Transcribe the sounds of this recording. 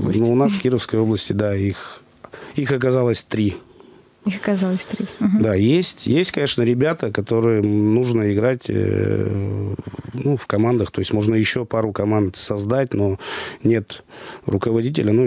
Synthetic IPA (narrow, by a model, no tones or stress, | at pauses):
nuʊnasfkʲiɾəfskəjo̞blˠəsʲtʲɪd̪aix | ixɐk̬ɐzalˠəsʲt̪ɾʲi | ixɐkɐzalˠəsʲt̪ɾʲid̪ajesʲtʲjesʲtʲkɐnʲe̞ʂnəɾʲɪbʲat̪əkɐt̪o̞ɾɨjənuʐnəɪɡɾatʲ | nufkɐmand̪əxt̪o̞jɪsʲmo̞ʐnəjɪɕːopaɾʊkɐmand̪sɐzd̪at̚ʲno̞nʲe̞t̪rʊkəvɐdʲitʲɪlʲənu